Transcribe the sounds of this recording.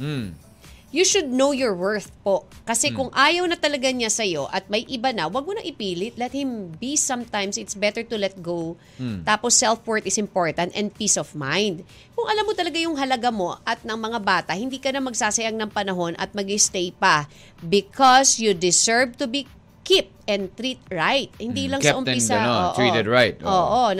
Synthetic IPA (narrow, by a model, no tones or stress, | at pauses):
juʃʊd̪̚nowjɔɹwɛɹθpo̞ʔkɐsɛkʊŋʔaːjɐwnɐt̪ɐlɐɡaɲasɐjo̞ʔɐt̪̚mɐjʔɪbanɐwɐɡ̚monɐŋʔɪpiːlɪt̪̚lɛt̪̚hɪ̃mbisɐ̃mt̪ãjmsɪt̪sbɛt̪ɛɹt̪ʊlɛt̪̚ɡow | t̪aːposːɛlfwɛɹt̪ɪsɪ̃mpoɹt̪ɐ̃nt̪ɛ̰̃nd̪̚piːsɔvmãjnd̪̚ | kʊŋʔɐlamːot̪ɐlɐɡajʊŋɦɐlɐɡamo̞ʔɐt̪̚nɐŋmɐŋabaːt̪ɐhɪnd̪iːkɐnɐmɐɡ̚saːsɐjaŋnɐŋpɐnɐɦo̞nʔɐ̰t̪̚mɐɡɪst̪ɛjpɐ | bɪkʰɔsjud̪ɪsɛɹvt̪ʊbi | kɪp̚t̪ʔɛ̃nd̪t̪ɾit̪̚ɹajt̪̚hɪnd̪iːlɐŋsɐʔʊmɪsaɐoːʔit̪ɛd̪ɹajt̪oːʔo